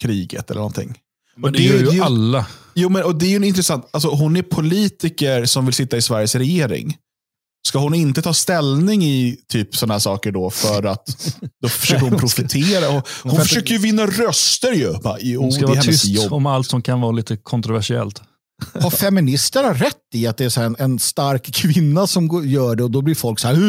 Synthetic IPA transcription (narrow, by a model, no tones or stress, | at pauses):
kʰɾiːɡə̰t̪ɛlə̰nɔ̰nt̪ʰɪ̰ŋː | ɔd̪ɛjalːajuːmɛnɔd̪ɛæɾjɵnɪnt̪ɾɛsant̪als̬ɔɦʊnæɾpʰʊliːt̪ɪkəɾsɔmvɪlsɪt̪ːaɪsvæɾjəsɾɛjeːɾɪ̰ŋ | skahʊnɪnt̪ət̪ʰɑːst̪ɛlnɪŋɪt̪ʰyːpsɔnːahæːʂɑːkəɖɔfœɾat̪d̪̥ɔfœ̥ʂøːkəɾhʊnpʰɾʊfɪt̪ʰeːɾahʊnffœʂøːkəjɵvɪnːaɾœst̪əɾjɵbajuːd̪hɛsjɔɔmalt̪sɔmkʰanvɑːliːt̪əkʰɔnt̪ɾʊvæʂɪɛ̰lt̪ | haɾfɛmɪnɪst̪əɳaɾɛt̪ːɪat̪̚d̪ɛːsæːɾɛnɛnst̪aɾkkʰːvɪnːasɔmjœːɖɛɔd̪ɔblɪɾfɔlksa